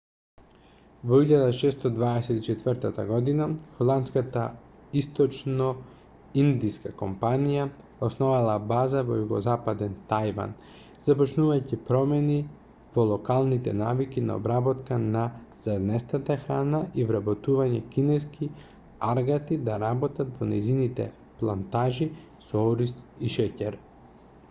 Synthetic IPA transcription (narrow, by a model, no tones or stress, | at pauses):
vɔiʎad̪aʃɛst̪ɔd̪vaɛsɛt̪it͡ʃɛt̪vərɾt̪at̪a̰ɡɔd̪inaxɔlˠant̪skat̪a | ist̪ɔt͡ʃnɔ | ind̪iskakompanija | osnɔvalˠabazavɔjuɡɔzapad̪ɛnt̪ajva̰n | z̥apɔt͡ʃnuvajcipɾɔmɛni | vɔlˠɔkalˠnit̪ɛnavikina̰ɔ̰bɾabɔt̪kanaz̥ad̪nɛst̪at̪axɾanaʔivɾabɔt̪uvaɲɛkinɛskʰi | aɾɡat̪id̪aɾabɔt̪at̪vɔnɛjzinit̪ɛ̰ | plˠant̪aʒi | sɔɔɾist̪ | iʃɛcɛɾ